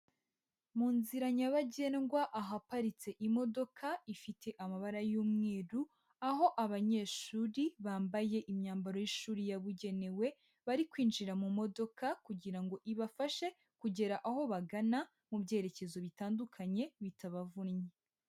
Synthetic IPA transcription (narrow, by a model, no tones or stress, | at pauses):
muːnziɾaɲaβaɟe̞ːnɡwaʔaɦapaɾit͡se̞ʔimo̞do̞kʰaifitʰe̞ʔamaβaɾajuːmŋeːɾu | aɦo̞ʔaβaɲe̞ːʃuːɾiβaːmbaje̞ʔimɲaːmbaɾojiʃuːɾijaβuɟe̞ne̞we̞ | βaɾikwiːnd͡ʒiɾamumo̞do̞kakuɟiɾaŋɡo̞ʔiβafaʃe̞ | kuɟe̞ɾaʔaho̞βaɡana | mubɟe̞ːɾe̞ce̞zo̞βitaːndukʰaɲe̞βitʰaβavunɲe